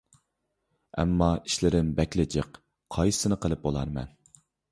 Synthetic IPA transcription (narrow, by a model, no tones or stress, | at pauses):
ɛ̰mːɑiʃlɪɾɪnbɛkʲlɪd͡ʒəq | qʰɑjsɨnɨqəlˠɨp̚bolˠɑ̰ɾmɛ̰n